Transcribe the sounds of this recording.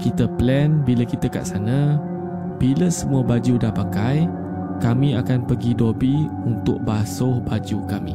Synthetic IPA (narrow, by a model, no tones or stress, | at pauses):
kit̪əplɛnbiləkit̪əka̰ʔsanə̃ | b̥iləsəmũəbad͡ʒudahpakaj | kamĩakanpəɡidobi | unt̪ʊk̚basʊhbad͡ʒukamḭ̃